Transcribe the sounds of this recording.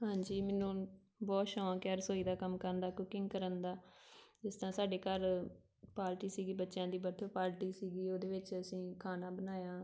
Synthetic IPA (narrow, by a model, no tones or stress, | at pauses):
ɦãːɲd͡ʒiːmɛːnũː | bɔːt̪ʃɔ̃ːkɛɾsoːiːd̪aːkəmkəɾənd̪aːkʊkɪ̃ŋɡkəɾənd̪aːɪst̪ãːsaːɖeːkəɾ | paːɾʈiːsiːɡiːbətːʃjãːd̪iːbəɾt̪ʰəpaːɾʈiːsiːɡiːoːd̪eːʋɪt͡ʃəsĩːkʰaːnaːbənaːjãː